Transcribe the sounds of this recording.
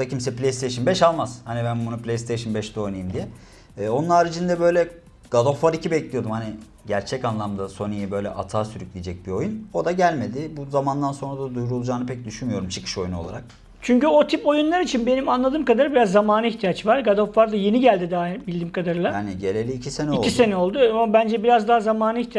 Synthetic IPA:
d̪acʰimsɛplʲejst̪ʰejʃ̬ɯnbɛʃalˠmazhanibænbunuplʲest̪ʰeʃɯnbɛʃd̪ɛojnajɯmd̪ijɛː | o̞nunaɾid͡ʒind̪ɛbø̞jlʲɛ | ɡ̥ad̪ofvaɾicʰibɛclʲijo̞d̪umhanɪ | ɟæɾt͡ʃʰɛcanlˠamd̪aso̞nijɛbø̞jlʲɛ̰ʔa̰t̪ʰaːsyɾyclʲid͡ʒɛc̚bio̞juno̞d̪aɟælʲme̞d̪ɪbuzamand̪anso̞nɾad̪ad̪ujɾulˠd͡ʒaːnɯpʰɛc̚d̪yʃynmyjo̞ɾumt͡ʃʰɯ̥kʰɯ̥ʃo̞junolˠa̰ɾak̚ | t͡ʃʰyɲcyo̞t̪ʰipo̞junlˠaɾit͡ʃʰinbe̞nimanlˠad̪ɯːmkad̪aɾbiɾazːamaːnɯiçt̪ʰijat͡ʃvaɾɡad̪ofvaɾd̪aje̞niɟælʲd̪id̪aːbilʲd̪iːmkʰad̪aɾɯlˠaaniɟe̞lʲelʲiːcʰise̞nɛiolʲise̞nɛo̞lˠd̪uamabænd͡ʒɛbiɾazd̪aɦazamaːnɯiçt̪ʰi

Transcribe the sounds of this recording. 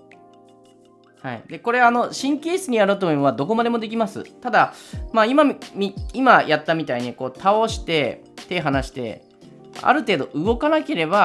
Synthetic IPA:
ha̰ḭd̪e̞ko̞ɾe̞ano̞ɕĩŋkʲeːisɨɲ̟ijaɾoːt̪omomoβad̪o̞ko̞mad̪e̞mo̞d̪e̞kʲimasɨ̰t̪ad̪amaːimamʲiimajat̪ːamʲit̪aiɲ̟iko̞ːt̪ʰao̞ɕi̥t̪e̞ | t̪e̞ɦanaɕi̥t̪e̞̰ | a̰ɾɯ̟t̪e̞ːd̪o̞ʔɯ̟ɡo̞kanake̞ɾe̞ba

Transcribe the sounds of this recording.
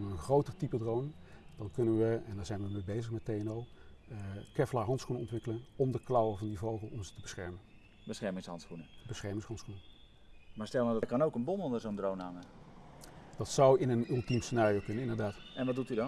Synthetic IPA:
nʋəənχrowtərtipədrownə | d̥ɑnkɵnənʋəɛndɔnzɛjnʋəmebejzəχmɛt̚ejɛnow | kɛflaːɦɑntsχunənɔ̰ntʋɪkələnɔmdəklawəvɑndivowχəlˠɔmzətəbəsχɛɹmən | bəsχɛɹmɪŋshɑntsχunəbəsχɛɹmɪŋsɦɑntsχunə | maːɹstɛlˠmadkɑnowkənbɔnɔndərzowndrownaŋə | d̥ɑtsɑwɪnənɵlˠtimsənaːrijowkɵnənɪndəɹdaːtɛnʋɑdutydɑn

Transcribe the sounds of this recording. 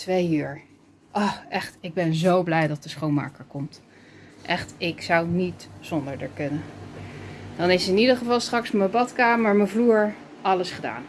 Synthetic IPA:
tʋejyːɹ | ʔɔχʔɛχtɪɡ̚bɛnzowblɛjdɑt̚dəsχownma̰ːkəɹkɔmt | ʔɛχtɪksɑwnitsɔndəɹdəɹkɵnə | d̥ɑnɪsɪnidəχəvɑlˠstrɑksməbɑtkaːməɹməvluːɹ | ɑləsχəda̰ːn

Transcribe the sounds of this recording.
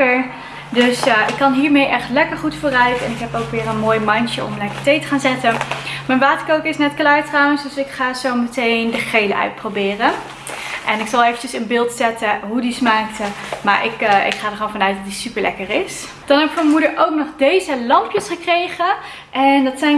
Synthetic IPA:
əɹ | dɵsɪkːɑnɦiːɹmejʔɛχtlɛkəɹχutfoːrœɥtɛnɪkɦɛpowkʋɪːrənmoːjmɑntəɔ̰mlɛkə̥ɹtejtə̥χaːnzɛtəmənʋaːtəɹkowkəɹɪsnɛtklaːɹtrɑwənsdɵsɪkχaːzowmətejndəχejləʔœ̰ɥt̚prowbɪːrən | ʔɛnɪksɑlˠejvənt͡ʃəsənbɪːlˠtsɛtəɦudismaːktəma̰ːɹʔɪkɪ̰kχaːdəxχoːnvɑnœɥt̚dɑtdisypəɹlɛ̰kəɹɪs | d̥ɑnɦɛbɪkmɛnmudəɹʔowknɔχdejzəlɑmpjəsχəkrejχə | ʔɛndɑtsɛj

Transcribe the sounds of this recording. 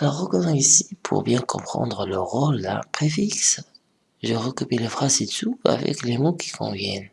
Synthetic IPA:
aʁəkɔnɑ̃isi̥pʰṵʁbjɛ̃kʰɔ̰̃pχɑ̰̃d̪ʁələʁola̰pχefiks | ʒəʁəkypeləfχazet̪upa̰vɛ̰klemokʰi̥kʰɔ̰̃vjɛn

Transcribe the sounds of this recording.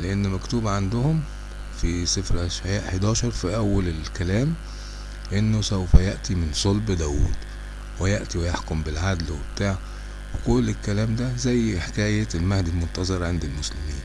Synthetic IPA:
leʔenːmækt̪uːbæʕand̪ʊhʊm | fisefɾʔaʃʕjaːʔħed̪ɑːʃɑɾˤfiʔæwːælelkælæːm | ʔenːosæwfæjaʔt̪imɪnsˤolbd̪æːwṵːd̪̥ | wɪjaʔt̪iwejaħkombɪlʕad̪lwebt̪aːʕ | wekʊlːelkːælæːmd̪æzæjːħekæːjælmæhd̪ilmont̪ɑzˤɑɾˤʕend̪ælmoslɪmiːn

